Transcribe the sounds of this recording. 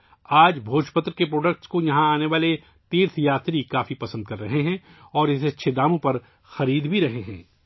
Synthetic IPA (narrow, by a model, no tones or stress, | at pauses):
aːd͡ʒbʱoːʃpət̪ɾkepɾoːɖək̚ʈskojɐɦãaːneʋaːle | t̪iːɾt̪ʰjaːt̪ɾikaːfipɐsə̃nd̪̚kɐɾːɐɦeɦɛ̃ | ɔːɾɪsɐtːʃʰed̪aːmõpɐɾ | xɐɾiːd̪bʱiɾɐɦeɦɛ̰̃ː